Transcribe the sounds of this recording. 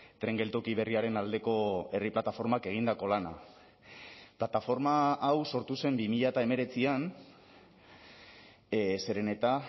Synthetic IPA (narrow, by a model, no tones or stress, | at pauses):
t̪ɾe̞ŋɡe̞lt̪o̞kiβ̞e̞riaɾe̞nald̪e̞ko̞e̞riplat̪afo̞ɾmake̞ɣ̞ind̪ako̞lana̰ | plat̪afo̞ɾmaːwso̞ɾt̪use̞mbimiʎat̪ae̞me̞ɾe̞t͡sian | se̞ɾe̞ne̞t̪a